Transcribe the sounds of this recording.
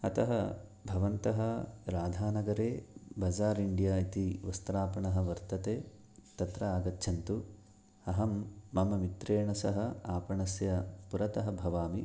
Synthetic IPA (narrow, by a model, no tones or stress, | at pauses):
ɐt̪ɐɦɐbʱɐʋɐnt̪ɐɦɐɾaːd̪ʱaːnɐɡɐɾeːbɐd͡ʒaːɾiɳɖijaːit̪iʋɐst̪ɾaːpɐɳɐɦɐ̆ʋɐɾt̪ɐt̪eː | t̪ɐt̪ɾɐaːɡɐt̪ːʃʰɐnt̪u | ɐɦɐmːɐmɐmit̪ɾeːɳɐsɐɦɐaːpɐɳɐsjɐpuɾɐt̪ɐɦɐbʱɐʋaːmi